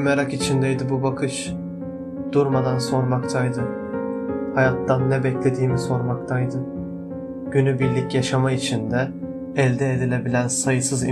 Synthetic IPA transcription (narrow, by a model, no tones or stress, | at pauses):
mɛɾakit͡ʃʰind̪ɛjd̪ɯbubakʰɯʃ | d̪̥uɾmad̪anso̞ɾmakt̪ʰajd̪ɯ | hajat̪ːanːɛbɛclʲe̞d̪iːmiso̞ɾmakt̪ʰajd̪ɯ | ɟ̥ynybiɾlʲicjaʃamait͡ʃʰind̪ɛː | lʲd̪ɛːd̪ilʲe̞bilʲænsajɯsɯzi